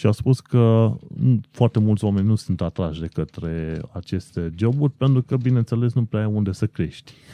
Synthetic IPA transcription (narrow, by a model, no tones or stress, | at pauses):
ʃiaspuskə | foart̪e̞mult̪sʲoame̞nʲnusunt̪at̪ɾaʃd̪e̞kət̪ɾe̞a̰t͡ʃe̞st̪e̞d͡ʒo̞burʲpe̞nt̪ɾukəbine̞nt̪sele̞snupɾeaajund̪e̞səkɾe̞ʃt̪ʲ